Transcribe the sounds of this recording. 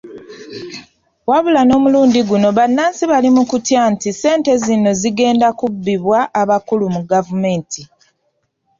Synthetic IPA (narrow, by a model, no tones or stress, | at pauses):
waβulano̞ːmuluːndiɡuno̞βanːaːnsiβalimukutjantise̞ːnte̞zino̞ziɡe̞ːndakubːiβwaʔːβakulumuɡavume̞ːntʰi